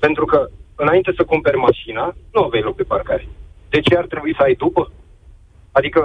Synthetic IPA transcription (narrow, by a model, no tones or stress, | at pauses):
pe̞nt̪ɾukəɨnaint̪e̞səkumpe̞rʲmaʃinanuavejʲlo̞k̚d̪e̞parkaɾed̪e̞t͡ʃe̞art̪ɾebuisəajd̪upə | ad̪ikə